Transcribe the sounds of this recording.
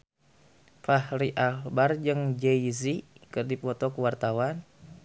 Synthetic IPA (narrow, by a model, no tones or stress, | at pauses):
pahliʔalbard͡ʒəŋd͡ʒɛizikɨrdipɔt̪ɔkəwart̪awan